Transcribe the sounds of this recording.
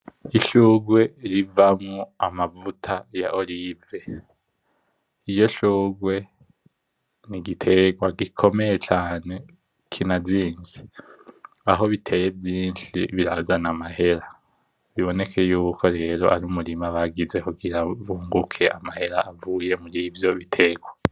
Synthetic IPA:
iʃuːɡwe̞ɾivamŋoamavutʰajaʔolive̞ | ijo̞ʃuːɡwe̞ | niɡitʰe̞ɡwaɡikʰo̞me̞jet͡ʃaːne̞ | kʰinaziːnd͡ʒi | aɦo̞βitʰe̞je̞vjiːnʃḭβiɾazanamahe̞ɾa | βiβo̞ne̞kʰe̞juːkʰo̞ɾe̞ːɾo̞ʔaɾumuɾimaβaɡize̞kuɡiɾaβuːŋɡukʰe̞ʔamahe̞ɾaːvuːje̞muɾivjo̞βitʰe̞ɡwa

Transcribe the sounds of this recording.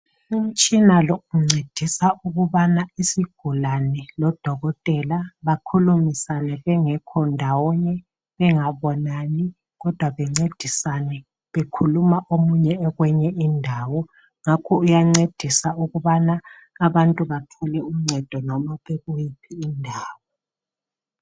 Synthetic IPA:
um̩t͡ʃʼinalouŋ͡ǀʱed̥ʱisaʔuɣuβanaisiɡ̥ʱulanɛlɔd̥ʱɔɣɔtʼɛlaβakʰulumisanɛβɛŋɛkʰɔndʱawɔɲɛ | βɛŋaβɔnaːni | ɣɔd̥ʱwaβɛŋ͡ǀed̥ʱisanɛ | βekʰulumaʔomuɲɛːɣwɛɲɛʔindʱaːwɔ | ŋakʰɔujaŋ͡ǀed̥ʱisauɣuβanaː | βantʼuβatʰɔlɛum̩ŋ͡ǀʱɛd̥ʱɔnɔmaβeɣujipʰiːndʱaːwɔ

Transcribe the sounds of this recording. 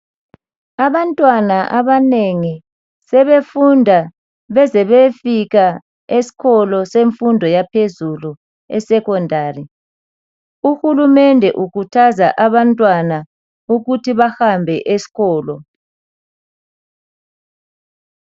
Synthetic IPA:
aβantʼwanaʔaβaneŋi | sɛβefundʱa | βɛzɛβefiɣa | esi̥ɣʰɔlɔseɱfundʱɔjapʰezulu | ɛ̰sɛkɔndʱaːri | uxulumɛndʱɛʔukʰutʰazaʔaβantʼwana | uɣutʰiβahambʱɛʔesi̥ɣɔːlɔ

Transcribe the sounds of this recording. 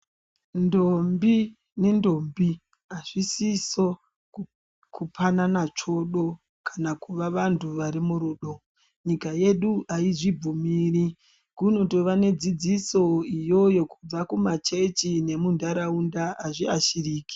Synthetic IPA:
ndombi | nendo̞mbi | aʐisiso | kʰupʰananat͡ʂo̞ɗo̞ | kʰḁnakuʋaʋantʰuʋaɾimuɾuːɗo | ɲikaje̞ɗuʔaiʐib͡vumiːri | kuno̞toʋane̞d͡zid͡ziso̞ijo̞jo̞kub͡vakumat͡ʃe̞t͡ʃine̞mundaɾaundaaʐiaʃiriːki̥

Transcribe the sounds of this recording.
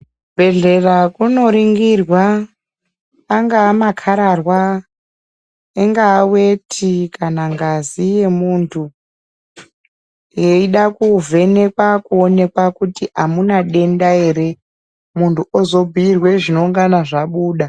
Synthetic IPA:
bʱe̞ɮe̞rakuno̞ɾiŋɡirwa | ŋɡaːmakʰaɾarwa | eŋɡaːwetʰikanaŋɡazije̞muntʰu | jeiɗakuvʱe̞ne̞kwakuone̞kwakutiamunaɗe̞ndae̞ɾe̞ | muntuozo̞bʱiirwe̞ʐino̞uŋɡanaʐaɓuːɗa

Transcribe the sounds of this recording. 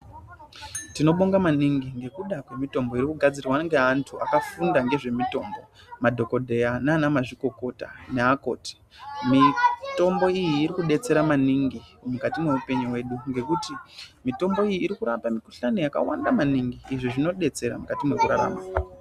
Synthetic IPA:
tino̞ɓoŋɡamaniŋɡiŋɡe̞kuɗakwe̞mito̞mbo̞iɾikuɡʱad͡zirwaŋɡe̞antʰuakafundaŋɡe̞ʐe̞mito̞mbo̞ | madʱo̞ko̞dʱe̞janaːnamaʐiko̞ko̞ta̰neako̞̰ːti̥ | mito̞mbo̞ijiːɾikuɗe̞t͡se̞ɾamaniŋɡimukatimweupe̞ɲuwe̞ːɗuŋɡe̞kutimito̞mbo̞ijiːɾikuɾapamiku̥ɬanojaka̰wa̰ndamaniŋɡiːʐiʐino̞ɗe̞t͡se̞ɾa̰mukatimezoɾaɾa̰ːma

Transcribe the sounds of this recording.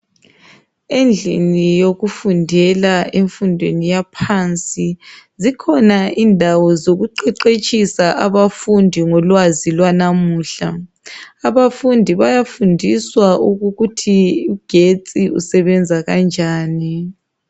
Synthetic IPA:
end͡ɮʱḭnijoɣufundʱɛlaʔeɱfundʱwenijapʰant͡sʼizikʰɔnaʔiːndʱawɔzoɣuǃɛǃet͡ʃʼisaʔaβafundʱiŋɔlwazilwanamuːɬaː | βafundʱiβajafundʱiswauɣuɣutʰiuɡ̥ʱet͡sʼiṵsɛβɛnd͡zʱaɣand͡ʒʱaːni

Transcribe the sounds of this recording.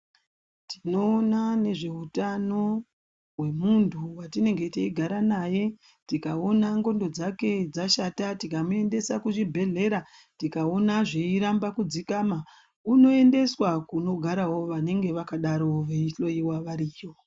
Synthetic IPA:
ti̥no̞ːnane̞ʐe̞ɦutano̞ | ɦwe̞muntʰuwatine̞ŋɡe̞teiɡʱaɾanaje̞ | tikao̞naŋɡo̞ndo̞d͡zake̞d͡zaʃatatikamue̞nde̞sakuʐibʱe̞ɮe̞ɾa | tikao̞naʐeiɾambakud͡zikama | uno̞e̞nde̞swakuno̞ɡʱaɾawo̞ʋane̞ŋɡe̞ʋakaɗaɾo̞ʋeiɬo̞iwaʋaɾiːjo

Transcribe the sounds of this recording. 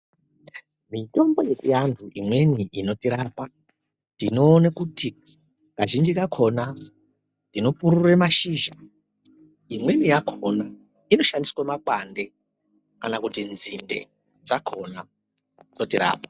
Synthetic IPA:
mito̞mbo̞jesijantʰuʔimwe̞niʔino̞tiɾapa | tino̞ːnakutʰi | kaʒind͡ʒikakʰo̞na | tino̞puɾuremaʃiːʒa | imwe̞nijakʰona | ino̞ʃandiswamakwande̞ | kanakutinzinde̞̰ | d͡zakʰo̞na | d͡zo̞tiɾa̰ːpḁ

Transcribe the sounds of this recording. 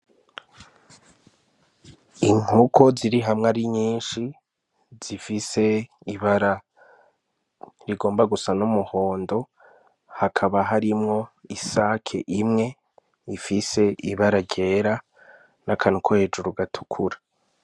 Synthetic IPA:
iŋ̥ukʰo̞ziɾiɦamŋaɾiɲiːnʃi | z̥ifise̞iβaɾa | ɾiɡo̞ːmbaɡusanumuho̞ːndo̞ | hakʰaβaɦaɾimŋo̞isakʰḛʔimŋe̞ | ifise̞ʔiβaɾaɟe̞ːɾa | nʔakʰanukʰohe̞d͡ʒuɾuɡatʰu̥kʰuɾa

